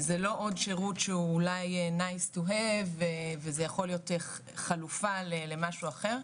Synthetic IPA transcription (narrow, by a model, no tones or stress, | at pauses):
zelo̞ʔodʃeʁutʃeuːlajenajstoɦevevezejaχo̞lijote | χalufalelemaʃuaχeʁ